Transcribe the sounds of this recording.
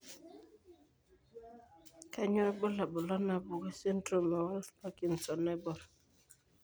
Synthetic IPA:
ka˦ɲɔ˦ɛ˦bɔ˦la˨bɔ˨lɔ˦na˨bɔ˨ɡɛ˦se˦ntɾo˦˨mɛ˨wa˦lfba˦ki˨nsɔ˨nɛ˦bɔ˨ɾ

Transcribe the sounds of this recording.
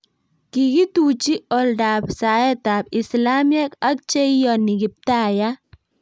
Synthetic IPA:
kiki˦tu˨t͡ʃi˦ɔ˨lda˨psa˨ɛ˦ta˨p̚i˨sla˦mjɛ˦ka˦k̚t͡ʃe˦jɔni˨ki˨p̚taja

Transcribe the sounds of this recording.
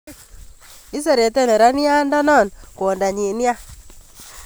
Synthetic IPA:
i˦s̬e˦˨ɾe˨te˦˨ne˨ɾa˦ni˦a˦nda˦nɔ˦˨nkwo˨nda˨ɲi˨n˦a˦

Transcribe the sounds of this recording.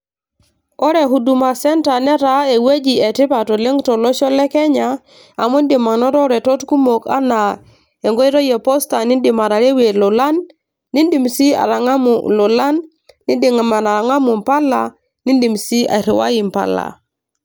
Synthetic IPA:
ɔ˦ɾe˨ɦu˨du˨ma˨sɛ˦nta˨nɛ˦ɾa˦e˨we˦d͡ʒi˨e˨ti˦pa˨tɔ˨le˦ŋtɔ˨lɔ˦ʃɔ˦lɛ˦kɛ˦ɲa˨ | a˨mu˦ndi˨ma˨nɔ˦ɾɔ˦ɾɛ˨tɔ˦tku˦mo˨ka̰˦na˨ | e˨ŋɡo˦i˦ɾo˦je˨pɔ˦sta˨ni˦ndi˨ma˨ɾa˨ɾe˦we˨lɔ˨la˦nː | i˦ndi˨msi˦a̰˨ɾa˨ŋa˦mṵ˨lɔ˨la˦nː | i˦ndi˨ŋa˨ma˨na˨ɾa˨ŋa˦mu˨m˨pa˦la˨ | ni˦ndi˨msi˦a̰˨ɾi˨wa̰˦ji˨mpa̰˨la̰˨

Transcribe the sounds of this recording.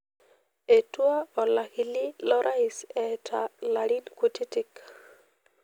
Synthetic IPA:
e˨twa˦ɔ˨la˨kɪ˨lɪ˦lɔ˦ɾʔa˦ɪsɛtʰa˨la˨ɾi˦nku˦ti˦ti˦k

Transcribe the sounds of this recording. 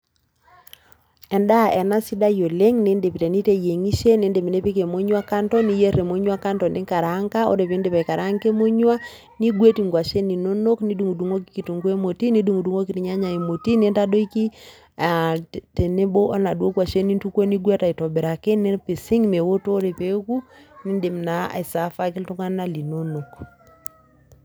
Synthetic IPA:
ɛ˨nda˦ɛ˨na˦si˦da˦jo˨le˦ŋne˦nde˨pi˨tɛ˨ni˦te˦je˨ŋi˦ʃe˦ne˨˦nde˨mi˨ne˦pi˦ke˨mo˦ɲwa˦ka˦ntɔ˦ni˦je˦re˨mo˦ɲwa˦ka˦ntɔ˨nde˦ŋka˨ɾa˨˦ŋka˦o̰˦ɾe˨βe˦nde˦βa˨i˨ka˨ɾa˦ŋke˦mo˦ɲwa˦ | ni˦ɡwe˦ti˨ŋɡwa˨ʃe˦ni˨no˦no˦kni˦du˨ŋu˨du˨ŋo˦ki̥˦ki˨tu˨ŋɡu˦e˦mo˨ti˦ni˦du˦˨ŋu˨du˦ŋo˦ki˨ti˨ɲa˦ɲa˨e˨mo˨ti˦ne˦nta˦do˦i˦ki˦ | a˨te˨ne˦bo˦ʔɔ˦na˨ɗwo˦kwa˨ʃe˦ni˦ntu˦kwo˦ni˦ɡwɛ˦ta˨i˨tɔ˨bɛ˨ɾa˨ke˦ne˦pe˨si˦ŋme˨wo˦toː˦ɾe˨pe˦ku˦ni˦nde˨mna˦a̰˨i˨sa˨fa˦ki˦ltu˦ŋa˦na˦li˨no˦no˨k

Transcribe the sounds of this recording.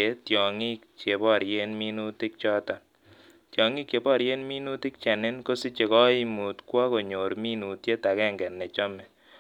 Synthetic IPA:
e˨˦tjɔ˨ŋɪ˦kt͡ʃe˨pɔ˦˨ɾje˦nmi˦nu˦tɪ˦k̚t͡ʃɔ˦tɔ˨ | tjɔ˨ŋi˦kt͡ʃe˨bɔ˦˨ɾje˦nmi˦nu˦tɪ˦k̚t͡ʃɛ˨nɪ˦nko˦si˦t͡ʃe˨kɔ˦i˦mu˨tkwa˦ko˨ɲo˨ɾmi˦nu˨tje˦ta˨kɛ˦ŋɡɛ˨nːɛ˨t͡ʃɔ˦mɛ˨

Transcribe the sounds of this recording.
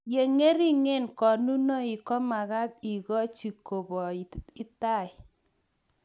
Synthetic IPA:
je˨ŋe˦ɾi˦ŋe˦˨nkɔ˨nu˦nɔ˦i˨kɔ˦ma˨ɣa˦t̚i˨kɔ˦t͡ʃi˨ko˨bɔ˨ɪ˦ta˦˨j

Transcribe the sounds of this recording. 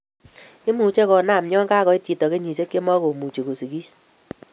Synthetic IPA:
ɪ˦mu˨t͡ʃe˦kɔ˨na˦˨mɲɔ˦ŋka˦kɔ˨i˦ti˨tɔ˨ke˦ɲi˨se˦kːe˦mɔ˦ko˨mu˨t͡ʃe˨ko˨si˨kiː˦s

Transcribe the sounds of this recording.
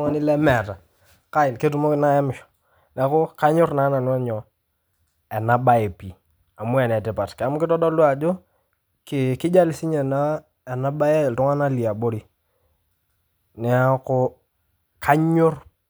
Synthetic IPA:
ŋa˦nɪ˦lɛ˦mɛ˨ta˨ | ka˦ɪ˨nke˦tu˨mo˦kɪ˦na˦ɛ˦mɪ˨ʃɔ̥˨ | nɛ˨˦kʊ˦ka˦ɲʊ˦rna˨˦na˨nwa˦ɲɔ˨ | ɛ˨na˦ba˦e˨pi˨ | a˨mʊ˦ɛ˨nɛ˨tɛ˨pa˨tka˨mʊ˦kɪ˦tɔ˦dɔ˦lwa˨d͡ʒo˦ | kɪ˨kɪ˦d͡ʒa˦lɪ˨sɪ˦ɲɛ˨na˦ | ɛ˨na˦ba˦ɛ˦˨tʊ˦ŋa˦na˦li˨a˨bo˦ɾi˨ | nɛ˨˦a˦kʊ˦ | ka˦ɲʊ˦r

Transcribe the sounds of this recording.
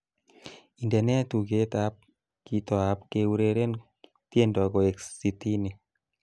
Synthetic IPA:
i˨nda˨nɛ˦a˦tu˨ɡe˦t̪a˨˦p̚ | ki˨˦tɔ˨a˨˦pke˨wu˦ɾe˨ɾe˦n | tje˦ndɔ˨ɡɔ˨e˨kssi˨ti˦ni˨

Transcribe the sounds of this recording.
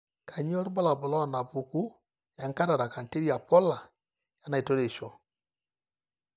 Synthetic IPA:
ka˨ɲ˦ɔ˦ɾbɔ˦la˨bʊ˨lɔ˦˨na˨bu˨ku˦ | ja˨ŋka˦ɾa˨ɾa˨ka˨n˨te˦ɾja˨pɔ˦la˨ | ja˦na˨to˦ɾe˨ʃɔ˦˨

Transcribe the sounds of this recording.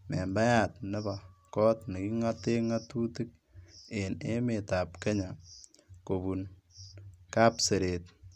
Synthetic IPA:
me˨mba˦ja˨tnɪ˦ba˨kɔ˦tni˨ki˦ŋa˦te˦ŋa˦tu˦tɨ˦k̚ | e˨ne˦me˨ta˨pke˦ɲa˨ | ko˨bu˨n | ka˦pse˨ɾe˨t̚

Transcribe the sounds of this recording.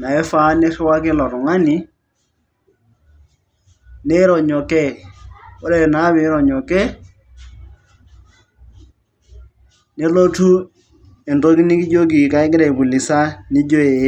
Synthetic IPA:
na˨ɛ˦fa˦ne˦ʃɛ˦wa˦ke˦lɔ˨ɾʊ˨ŋa˦ni˨ | ne˦ɾɔ˨ɲɔ˨kɛ˦˨o˦ɾɛ˦˨na˨˦βɪ˨˦ɾɔ˨ɲɔ˨kɛ˦ | ne˦lo˦tu˦ | e˨ndo˦ki˦ni˦ki˦d͡ʒo˦k̬i˨ka˨˦ɪ˦ɡɪ˦ɾɛ˨bu˨li˨sa˦ni˦d͡ʒo˦e˨˦

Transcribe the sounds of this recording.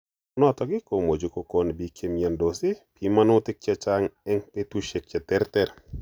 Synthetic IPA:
nɔ˦t̪ɔ˨ɡɪ˦ko˨mo˨d͡ʒo˨ko˦˨ko˦nbi˦kje˦mjɛ˨ndo˨sɪ˦pi˨ma˦nʊ˦tɪ˦k̚t͡ʃɛ˦t͡ʃa˦ŋɛ˦ŋpe˦t̪u˦ʃe˨k̚t͡ʃɛ˨tɛ˦ɾtɛ˦ɾ

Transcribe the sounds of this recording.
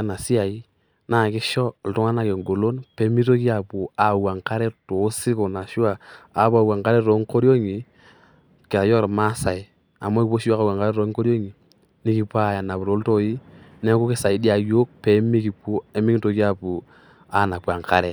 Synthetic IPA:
a˦na˨si˦a˨i˦ | na˦˨kɪ˦ʃɔ˦˨ltɔ˦ŋa˦na˨ke˨ŋɡo˨lo˦npɛ˨˦mi˦to˦ki˦a˨pu˨a˨wa˨ŋka˦ɾɛ˦to˨˦si˦ko˨na˨ʃi˦waː˨˦pu˦a˨wa˨ŋka˦ɾɛ˦ɾo˨ŋko˦ɾjo˦ŋi˨ | kɪ˨ɾa˨jɔ˦kɾma˦sa˨i˨ | a˨mɔ˦ki˨po˦ʃi˦wa˦ka˨wa˨ŋka˦ɾɛ˦ɾɔ˨˦ŋko˦ɾjo˦ŋi˨ | nɪ˦ki˨˦pa˦˨ja˨na˨pu˨ɾo˨˦lto˦i˦nɛ˦ku˦kɪ˦sa˨i˨˦di˦a˨jo˦k̚pɛ˨˦mi˦ki˨po˦e˦mi˦kto˨ki˦a˨pu˨ | a˨˦na˨pwa˨ŋka˦ɾɛ˨

